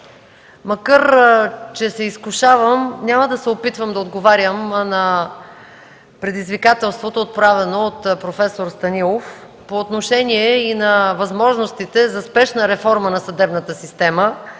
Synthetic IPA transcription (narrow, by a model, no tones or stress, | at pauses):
mɐkaɾt͡ʃɛsɛiskʊʃavəmnʲaməd̪ɐsɛopit̪vəmd̪ɐod̪ɡovaɾʲjəmnɐ | pɾɛd̪izvikat̪ɛlˠst̪vot̪oːt̪̚pɾavɛnoːt̪pɾofɛsoɾst̪ɐnilˠof | poːt̪noʃɛniɛinɐvɐzmɔʒnost̪it̪ɛzɐspɛʃnəɾɛfɔɾmənɐsɐd̪ɛbnət̪əsist̪ɛmə